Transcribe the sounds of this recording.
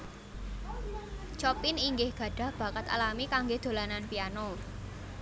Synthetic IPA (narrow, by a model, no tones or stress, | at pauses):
t͡ʃɔpiniŋɡɪhɡ̥ä̤ɖ̥ä̤hb̥ä̤kət̪a̰lamikaŋɡed̪̥o̤lananpiano